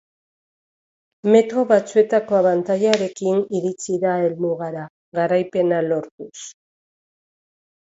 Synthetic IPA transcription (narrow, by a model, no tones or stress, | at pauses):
me̞t̪ɾo̞βat͡sue̞t̪ako̞aβant̪aʎaɾe̞kiniɾit͡siðae̞lmuɣaɾa | ɣaɾajpe̞nalo̞ɾt̪us